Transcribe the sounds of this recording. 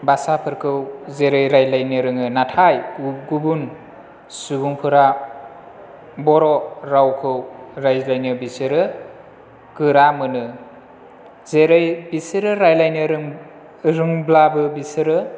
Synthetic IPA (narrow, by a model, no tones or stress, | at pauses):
basapʰɯɾkʰɯwzeɾɯjɾajlajnɯɾɯŋɯnatʰajɡubun | subuŋpʰɯɾa | bɔɾɔɾawkʰɯwɾajlajnɯbisɯɾɯ | kɯɾamɯnɯ | zeɾɯjbisɯɾɯɾajlajnɯɾɯŋ | ɾɯŋblabɯbisɯɾɯ